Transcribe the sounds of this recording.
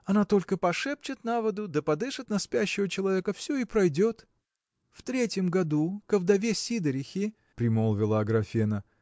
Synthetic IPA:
ɐnat̪o̞lʲkəpɐʂɛpt͡ɕɪt̪navəd̪ʊd̪əpɐd̪ɨʂɨt̪nɐspʲæɕːɪvət͡ɕɪlˠɐvʲe̞kəfsʲɵɪpɾɐjdʲo̞t̪ | ft̪ɾʲetʲjəmɡɐd̪ukəvd̪ɐvʲesʲid̪əɾʲɪxʲɪ | pɾʲɪmolˠvʲɪlˠəɐɡɾɐfʲenə

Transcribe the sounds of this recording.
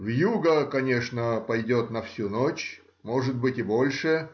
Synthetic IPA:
vjuɡəkɐnʲe̞ʂnəpɐjdʲo̞t̪nɐfsʲunot͡ɕ | mo̞ʐɨt̪̚bɨtʲɪbo̞lʲʂɨ

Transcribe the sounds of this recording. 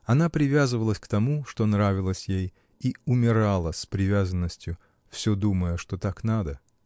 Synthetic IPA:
ɐnapɾʲɪvʲazɨvəlˠəsʲkt̪ɐmuʂt̪o̞nɾavʲɪlˠəsʲjej | iʊmʲɪɾalˠəsʲpɾʲɪvʲazənːəsʲtʲjʊ | fsʲɵd̪uməjəʂt̪ot̪aknad̪ə

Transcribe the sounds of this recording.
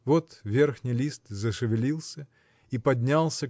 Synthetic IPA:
vot̪vʲe̞rxnʲɪjlʲist̪zəʂɨvʲɪlʲilˠsʲə | ipɐd̪ʲnʲalˠsʲə

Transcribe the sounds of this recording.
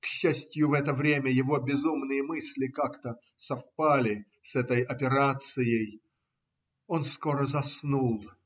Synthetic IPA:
kɕːæsʲtʲjʊvɛt̪əvɾʲemʲəjɪvo̞bʲɪzumnɨjəmɨsʲlʲɪkakt̪ə | sɐfpalʲɪ | sɛt̪əjɐpʲɪɾat̪sɨjəj | o̞nsko̞ɾəzɐsnulˠ

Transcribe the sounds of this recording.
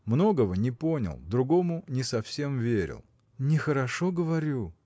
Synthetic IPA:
mno̞ɡəvənʲɪpo̞nʲɪ̰lˠd̪ɾʊɡo̞mʊnʲɪsɐfsʲemvʲeɾʲɪ̰lˠ | nʲɪxəɾɐʂoɡəvɐɾʲu

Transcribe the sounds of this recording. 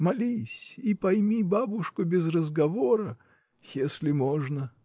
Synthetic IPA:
mɐlʲisʲipɐjmʲibabʊʂkʊbʲɪzrəzɡɐvoɾə | jesʲlʲɪmoʐnə

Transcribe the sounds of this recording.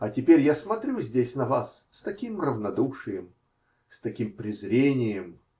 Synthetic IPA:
ɐtʲɪpʲeɾʲjasmɐt̪ɾʲuzʲdʲesʲnɐvasːt̪ɐkʲimrəvnɐd̪uʂɨjəm | st̪ɐkʲimpɾʲɪzɾʲenʲɪjəm

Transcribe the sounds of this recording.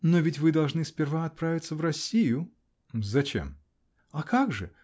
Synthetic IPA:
novʲɪtʲvɨd̪ɐlˠʐnɨsʲpʲɪrvaɐt̪̚pɾavʲɪt̪səvrɐsʲːijʊ | zɐt͡ɕḛm | ɐkaɡʐɨ̰

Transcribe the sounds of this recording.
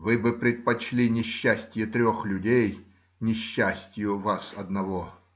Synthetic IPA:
vɨbɨpɾʲɪt̪̚pɐt͡ɕlʲinʲɪɕːæsʲtʲɪjɛt̪ɾʲoxlʲʊdʲej | nʲɪɕːæsʲtʲjʊvasɐd̪nɐvo

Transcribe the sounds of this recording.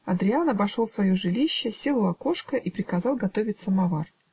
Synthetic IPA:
ɐd̪ɾʲɪanɐbɐʂolˠsvɐjoʐɨlʲiɕːəsʲe̞lˠʊɐko̞ʂkəʔipɾʲɪkɐzɑlˠɡɐt̪o̞vʲɪtʲsəmɐvar

